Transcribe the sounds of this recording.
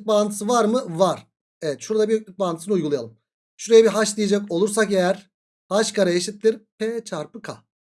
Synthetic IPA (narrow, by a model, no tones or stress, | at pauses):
k̚baːnt̪ʰɯ̥sɯvaɾmɯvaɾ̥ | evɛt̪ʃuɾd̪abijøk̚lʲyk̚baːnɯ̥sɯnɯujɡulˠajalˠɯm | ʃuɾejɛbiɦaʃd̪ijed͡ʒako̞lˠuɾsakejæɾ | haʃkʰaɾajeʃit̪ːiɾpʰet͡ʃʰaɾpɯkʰa̰